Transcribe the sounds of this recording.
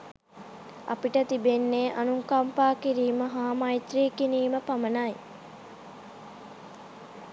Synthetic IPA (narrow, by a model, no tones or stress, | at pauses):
a̰piʈət̪ibenːeʔanuŋkampaːkiɾiːməɦaːmajt̪ɾiːkiniːməpamənaj